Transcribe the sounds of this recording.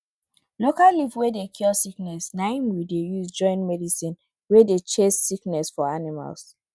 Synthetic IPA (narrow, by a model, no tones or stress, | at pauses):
lokallivwedekʰɔlsiknɛsnãɪnwidejusd͡ʒɔ̃ɪ̃ntmɛdisĩn | wedet͡ʃesːiknɛsfɔanima̰ls